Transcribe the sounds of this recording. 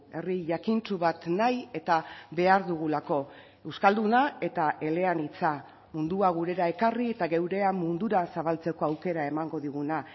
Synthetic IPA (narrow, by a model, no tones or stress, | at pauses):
e̞riʝakint͡suβat̪naje̞t̪abe̞aɾðuɣ̞ulako̞ | ewskald̪unae̞t̪aʔe̞le̞anit͡sa | mund̪uaɣ̞uɾe̞ɾae̞karie̞t̪aɣewɾe̞amund̪uɾasaβalt͡se̞ko̞awke̞ɾae̞maŋɡo̞ðiɣ̞una